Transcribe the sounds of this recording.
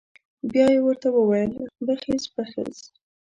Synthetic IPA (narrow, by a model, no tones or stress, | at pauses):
bjɑjewəɾt̪awəwajəlb̪əxezpəxə̰z